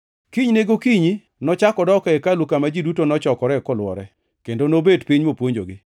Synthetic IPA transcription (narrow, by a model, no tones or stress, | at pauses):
kiɲneɡokiɲi | nɔt͡ʃakɔdɔkaɛkalukamad͡ʒidutonɔt͡ʃɔkɔɾɛkɔlwɔ̰ɾɛ | kendonobedpiɲmopwoɲd͡ʒo̰ɡɪ